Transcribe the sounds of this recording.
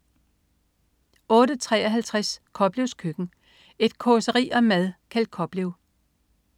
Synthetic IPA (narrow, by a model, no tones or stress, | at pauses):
ɔ̽ːɾət͡sʰʁɛ̰ːɒɦælt͡sʰʁaskʰɒ̽b̥leʊskʰøɡ̥n̩ | e̝d̥kʰɔsəʁḭːʔɒ̽mæðˠkʰæld̥̚kʰɒ̽b̥leʊ